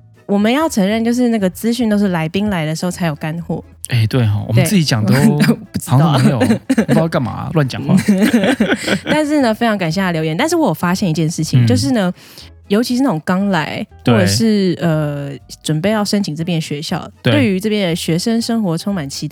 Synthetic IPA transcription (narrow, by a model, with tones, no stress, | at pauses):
wɔ˨˩mə˦njɑ˥˩ʊʈ͡ʂʰə˧˥ŋɻə˥˧nt͡ɕjo˥˧ʊʂ̬ɻ̩˥˧na˥˩ɡə˩t͡sɹ̩˥ɕy˥˧nt̪o˥ʊʂɻ̩˥˩la˧˥ɪpi˥ŋla˧ɪd̪ə˧ʂɻ̩˧˥xo˥˩ʊt͡sʰa˧˥jo˨˩ka˦˥nxwɔ̰˥˩ | e˥˩ɪt̪we˥˩ɪxwɔ̰˨˩m˦˥˩t͡s̩˥˩t͡ɕi˧˥t͡ɕjɑ˨˩ŋt̪o˥˨˩pu˥˩ʈ͡ʂ̩̪˥˧˥pka˥˩nma̰˨˩lwa˥˩nt͡ɕjɑ̰˨˩˦ŋ̰˥ | t̪a˥˧nʂɻ̩˥˩nə˩fe˥ɪɑ˧ŋka˨˩nɕjɛ˥˩a˥˩ljo˧ʊjɛ˧˦nt̪ʂɻ̩˥˩wɔ˦˥jo˨˩fa˥ɕjɛ˥˩ni˧t͡ɕjɛ˥˧nʂɻ̩˥˩t͡ɕʰi˨˦ŋt͡ɕjo˥˧ʊʂ̬ɻ̩˥˩nə˩ | jo˧˥ʊt͡ɕʰi˧ʂɻ̩˥˧a˥˩ʈ͡ʂʊ˨˩ŋkɑ˥ŋla˧˥ɪxwɔɔ˥˩ʈ͡ʂə˨˩ʂɻ̩˥˩ə˩ʈ͡ʂwə˨˩npe˥˧ɪjɑ˥˩ʊʂə˥nt͡ɕʰi˨˩ŋʈ͡ʂɤ˥˧p̬jɛ˥˩nə˩ɕɥɛ˧˥ɕjɑ̰˥˩ʊt̪we˥we˩˥˩ɪy˧˥ʈ͡ʂɤ˥˧˩pjɛ˥˩n˩ɕɥɛ˧˥ʂə˥nʂə˥ŋxwɔ˧˥ʈ͡ʂʰo˥ŋma˨˩nt͡ɕʰi˧˥˩